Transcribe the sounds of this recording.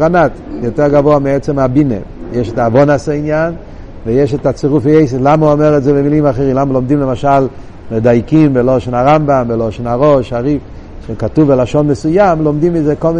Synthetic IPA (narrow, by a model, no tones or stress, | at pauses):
ʁanatjoteʁɡavoamiɛt͡semabinḛ | jeʃetaːvonasainjan | vejeʃetat͡seʁufejejs̬elamauomeʁetzebemilimaχeʁimlamalomdimlemaʃal | medajkimbeloʃenaʁambamveloʃenaʁoʃaʁif | ʃekatuvbelaʃonmesujamlomdimizekolmi